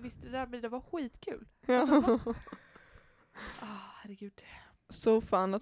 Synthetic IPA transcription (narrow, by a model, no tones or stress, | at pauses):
vɪst̪əd̪ɛd̪æːɾmɛnd̪ɛvaɾɧiːt̪kʰʉ̰ːlː | ʔɑːhæɾɛɡʉ̟ːd̪ | sɔfaːnat̪